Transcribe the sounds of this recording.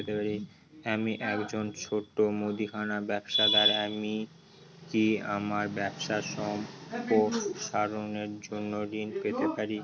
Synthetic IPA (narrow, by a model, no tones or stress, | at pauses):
t̪epaɾi | amiʔɛkd͡ʑont͡ɕʰoʈːomod̪ikʰanabɛbʃad̪aɾami | kiamaɾbɛbʃaʃɔmpoʃaɾoneɾd͡ʑonːoɾinpet̪epaɾi